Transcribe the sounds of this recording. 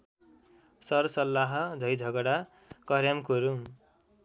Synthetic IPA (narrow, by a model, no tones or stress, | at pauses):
sʌrsʌlːaɦʌd͡zʱʌjd͡zʱʌɡʌɽa | kʌɾjamkoɾu